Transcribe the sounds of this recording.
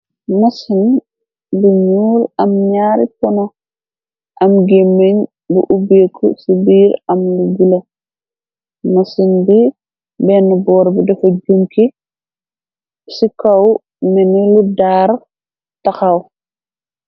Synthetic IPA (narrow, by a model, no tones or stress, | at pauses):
mɐsin | biɲuːlɐmɲaːɾipɔnɔ | ʔɐmɡemːeɲ | buʔubeːkʰːɔ̰sibiːɾɐmluɡilɐ | mɐsinbi | bɛnːɐbɔːɾbidɐfɐɟumki | sikɐw | mɛnɛludaːɾ | tɐxɐw